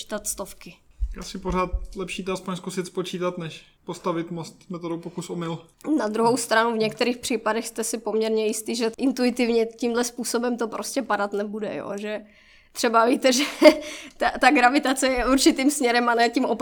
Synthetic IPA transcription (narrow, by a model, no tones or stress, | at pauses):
t̪at̪st̪ofkɪʔasɪpoɾaːt̪lɛpʃiːt̪ɛaspoɲskusɪt̪spot͡ʃiːt̪at̪nɛʃ | post̪avɪt̪most̪mɛt̪odowpokusomɪlnad̪ɾuɦowst̪ɾanuvɲɛk̚t̪ɛɾiːxpr̝̥iːpadɛxst̪ɛsɪpo̞mɲɛɾɲɛjɪst̪iːʒɛʔɪnt̪uɪt̪ɪvɲɛcimdlɛspuːso̞bɛmt̪o̞pɾoscɛpadat̪nɛbudɛ̰jo̰ːʒɛ | t̪r̥ɛbaviːt̪ɛʒɛt̪at̪aɡɾavɪt̪at͡sɛjɛʔuɾt͡ʃɪt̪iːmsmɲɛɾɛmanɛːcimʔop